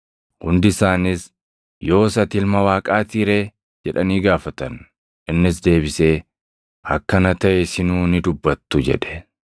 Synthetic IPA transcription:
hʊnd̪ɪsaːnɪs | jo̞ːsɐt̪ɪlmɐwaːkʼaːt̪iːɾe̞ː | d͡ʒɛᶑɐniːɡaːfɐt̪ɐn | ʔɪnːɪsd̪e̞ːbɪseː | hɐkːɐnɐt̪ɐʔɛsɪnuːnɪd̪ʊbːɐt̪ːʊd͡ʒɛ̰ᶑɛ̥

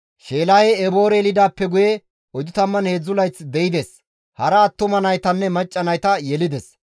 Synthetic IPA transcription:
ʃe̞ːlaːjɛɛbo̞ːɾɛlɪd̪aːpːɛɡʊjɛ | ɔjd̪ʊt̪ɐmːɐnheːd͡zːʊlɐjt͡sd̪ɛɪd̪ɛs | hɐɾɐːt̪ːʊmɐnɐjt̪ɐnːɛmɐt͡ʃʼːɐnɐjt̪ɐjɛlɪd̪ɛs

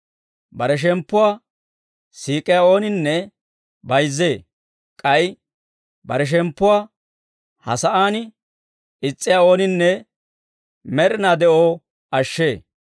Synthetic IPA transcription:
bɐɾɛʃ̬ɛmpːʊwaː | siːkʼɪjaːo̞ːnɪnːɛ | bɐjzːeː | kʼɐj | bɐɾɛʃ̬ɛmpːʊwaː | hɐ̰sɐʔaːnɪ | ɪt͡sʼːɪjao̞ːnɪnːɛ | mɛɾɪnaːd̪ɛʔoː | ɐʃːe̞ː

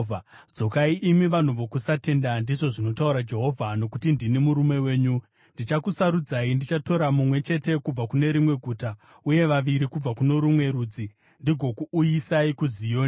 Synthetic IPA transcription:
d͡zo̞kaiʔimiʋan̤uʋokusate̞ndandiʐo̞ʐino̞tauɾad͡ʒeɦo̞vʱano̞kutindinimuɾume̞we̞ːɲu | ndit͡ʃakusaɾud͡zaindit͡ʃato̞ɾamumwe̞t͡ʃe̞te̞kub͡vakune̞ɾimwe̞ɡʱuːta | uje̞ʋaʋiɾikub͡vakuno̞ɾumwe̞ɾuːd͡zi | ndiɡʱo̞kuːjisaikuzijoː

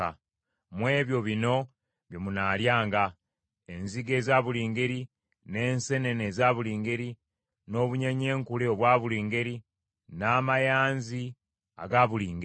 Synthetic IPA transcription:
a̰ | mwe̞ːβjo̞βino̞ | βjomunaːljaːŋɡa | enziɡe̞ːzaːβuliːŋɡe̞ɾi | ne̞ːnse̞ne̞nezaβuliːŋɡe̞ɾi | no̞ːβuɲeɲe̞ːŋkuleoβwaːβuliːŋɡe̞ɾi | naːmajaːnzi | a̰ɡaːβuliːŋɡ

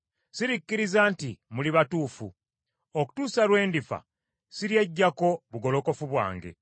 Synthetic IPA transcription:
siɾikːiɾizaːntimuliβatuːfu | oku̥tuːsalwe̞ːndifa̰ | siɾje̞ɟːako̞βuɡo̞lo̞ko̞fuβwa̰ːŋɡe̞̰

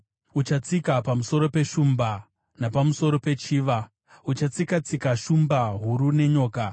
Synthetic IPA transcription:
ut͡ʃat͡sikapamuso̞ɾo̞pe̞ʃumba | napamuso̞ɾo̞pe̞t͡ʃiːʋa | ut͡ʃat͡sikat͡sikaʃumbaɦuɾune̞ɲo̞ːka

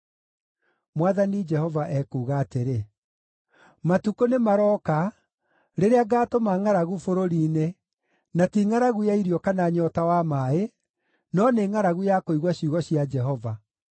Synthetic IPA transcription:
mwaðanid͡ʒɛhɔvaʔɛkuːɣaːteɾe | matukonemaɾɔka | ɾeɾeaɡaːtomaŋaɾaɣufoɾoɾiːne | natiŋaɾaɣujaiɾjɔkanaɲɔtawamae | nɔneːŋaɾaɣujakoiɣwaɕuɣɔɕijad͡ʒɛɦɔva

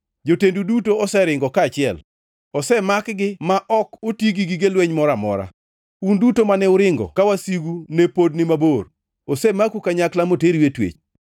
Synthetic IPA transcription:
d͡ʒotendudutoɔsɛɾɪŋɡɔkaːt͡ʃɪɛl | ɔsɛmakɡɪmaʔɔkʊtiɡiɡiɡelweɲmɔɾamɔ̰ɾa̰ | undutomanɛʊɾɪŋɡɔ̰kawasiɡunepodnɪmabor | osɛmakukaɲaklamoteɾiwetwḛt͡ʃ

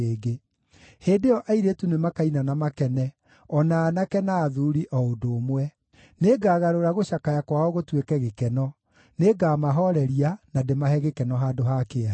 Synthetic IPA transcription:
eɡe | heːdeɔʔaiɾetunemakainanamakɛnɛ | ɔnaːnakɛnaːðuɾiʔɔodoːmwɛ | neɡaːɣaɾoɾaɣoʃakajakwaɔɣotwekɛɣekɛnɔ | neɡaːmaɦɔɾɛɾianademahɛɣekɛnɔɦaːdoɦakea

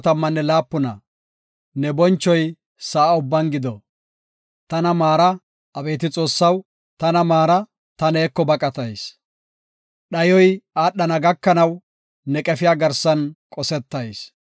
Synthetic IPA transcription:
t̪ɐmːɐnːɛlaːpːʊnɐ̰ | nɛbɔnt͡ʃːɔj | sɐːʊbːɐnɡɪd̪ɔ | t̪ɐnɐmaːɾɐ | ɐbe̞ːt̪ɪt͡sʼo̞ːsːɐw | t̪ɐnɐmaːɾɐ | t̪ɐneːkːɔbɐkʼɐt̪ɐjs | ɗɐjɔjaːɗːɐnɐɡɐkːɐnɐw | nɛkʼɛfɪjaːɡɐɾsɐnkʼɔsɛt̪ːɐjs

